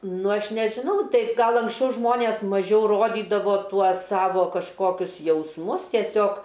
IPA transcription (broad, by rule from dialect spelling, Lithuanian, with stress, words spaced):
ˈnʊ ˈɐʃ nʲɛʒʲɪˈnɐʊ ˈtɐɪ ˈɡɐlˠ ɐŋksʲˈt͡ʃʲɛʊ ˈʒmoːnʲeːs mɐˈʒʲɛʊ roːˈdʲiːdɐʋoː ˈtuɔs ˈsɑːʋoː kɐʃˈkoːkʲʊs jɛʊsˈmʊs tʲiɛˈsʲoːk